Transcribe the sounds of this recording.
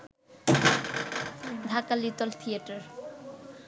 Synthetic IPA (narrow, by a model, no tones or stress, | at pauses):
dʱakalit̪ɔlt̪ʰiaʈaɾ